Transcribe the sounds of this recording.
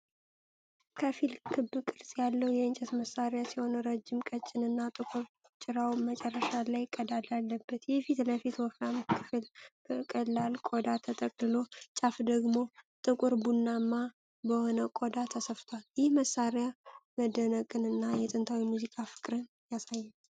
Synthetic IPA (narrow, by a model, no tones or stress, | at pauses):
kʰəfilkʰɨbːɨkʼɨɾsʼjalːəwjɛɨnt͡ʃʼɛsməsaɾjasiho̞nəɾəd͡ʒːɪmkʼət͡ʃʼːɪnɨnːat̪ʼɨkʼuɾ | t͡ʃʼɪɾawmət͡ʃʼɛrːəʃalajɪkʼːəd̪alalːəbːət̪jɛfit̪ləfit̪wɔfɾamkʰɨfɨl | kʼəlːalkʼod̪at̪ʰət̪ʼəkʼlɨlo̞t͡ʃʼafd̪əɡmo̞t̪ʼɨkʷʼuɾbunːamːa | bəho̞nəkʼod̪at̪ʰəsəft̪ʰwaljɪhməsːaɾjaməd̪ːənəkʼɨnɨnːajɛt̪ʼɨnt̪ʰawimuzikʼafɨ̥kʼɾɨn | jasajːɛ